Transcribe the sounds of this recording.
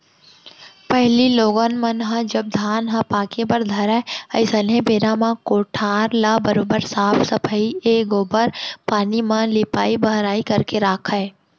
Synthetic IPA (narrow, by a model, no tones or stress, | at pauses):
pəɦliloːɡənmənɦɐ̃d͡ʒɐb̚d̪ʱaːnɦɐ̃paːkebəɾd̪ʱɐɾaeɐɪsəlɦẽbeːɾamãkoːʈʰaːɾlabəɾoːbəɾsaːpʰsəpʰəieːɡoːbəɾpaːnimãlɪpa̰ːibəɦɾaːikɐɾkeɾaːkʰəe